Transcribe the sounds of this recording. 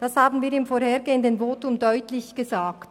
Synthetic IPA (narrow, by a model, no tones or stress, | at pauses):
d̥ashaːbn̩viːɪmfoːɾheːʁɡeːəndənvoːtʊmdɔʏtlɪçɡ̥əzaːkt